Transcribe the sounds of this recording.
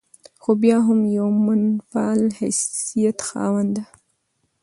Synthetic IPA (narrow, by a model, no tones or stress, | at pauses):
xobjɑɦʊmjawmʊnfɑlha̰sijat̪xɑ̰wand̪a